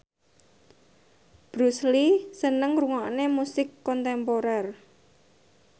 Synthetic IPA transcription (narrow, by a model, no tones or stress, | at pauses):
b̥ɾuslisənəŋruŋaʔnemusɪkːɔnt̪ɛmpoɾɛr